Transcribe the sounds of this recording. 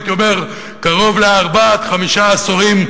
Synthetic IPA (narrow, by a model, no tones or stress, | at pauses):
t̪jomeʁ | kaʁo̞vleaʁbat̪χamiʃaːsoʁim